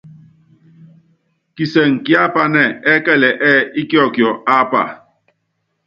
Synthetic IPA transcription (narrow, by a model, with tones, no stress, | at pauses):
ki˨se˨ŋ̩˨ki˦a˦pa˦nɛ˦˨ɛ˦kɛ˦˨lɛ˨ʔɛ˦i˦ki˦ɔ˦˨kjɔ˨a˦pa̰˨